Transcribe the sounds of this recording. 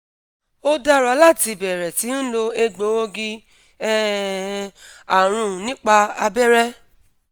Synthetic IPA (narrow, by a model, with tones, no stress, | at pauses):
o˦da˦ɾa˧˦la˦˨ti˧˨bɛ˨ɾɛ˨ti˨˦n̩˦lo˧e˧ɡ͡bo˨˦o˦ɡi˧ | ɛ˦˨ | a˨ɾ̃ũ˧˨nĩ˦k͡pa˧a˧bɛ˦ɾɛ˦